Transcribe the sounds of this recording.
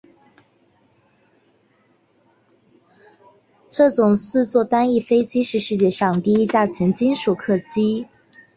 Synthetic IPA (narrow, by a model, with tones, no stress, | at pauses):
ʈ͡ʂɤ˥˩ʈ͡ʂʊ˨˩ŋsɹ̩˥˧t͡swɔ˥˩t̪a˥ni˥˩fe˥ɪt͡ɕi˥ʂɻ̩˥˧ʂɻ̩˥˧t͡ɕjɛ˥˩ʂɑ˥˩ŋt̪i˥˧i˥t͡ɕja˥˩t͡ɕʰjɛ˧˥ŋt͡ɕi˥nʂu˨˩kʰɤ˥˩t͡ɕi˥